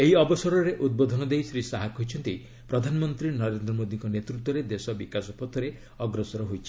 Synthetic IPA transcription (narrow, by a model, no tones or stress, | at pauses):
eɦiɔbɔsɔɾɔɾeʔud̪̚bod̪ʱɔnɔd̪ejsɾisaɦakʰɦɔɦjt͡ʃʰɔnt̪ij | pɾɔd̪ʱanɔmɔnt̪ɾinɔɾend̪ɾɔmod̪iŋkɔnet̪ɾut̪ːwɔɾed̪esɔbikasɔpɔt̪ʰːɔɾe | ɔɡɾɔsɔɾɔɦojt͡ʃʰi̥